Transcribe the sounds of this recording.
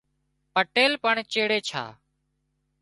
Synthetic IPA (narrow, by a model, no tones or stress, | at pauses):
pəʈeːlpəɳt͡ʃeːɽeːt͡ʃʰa̰ː